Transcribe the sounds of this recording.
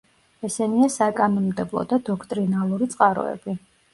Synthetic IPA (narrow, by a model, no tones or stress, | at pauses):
ɛsɛniasakʼanɔnmd̪ɛblˠɔ̰d̪ad̪ɔkʰt̪ʼɾinalˠuɾit̪sʼqʼaɾɔ̰ɛ̰b̥i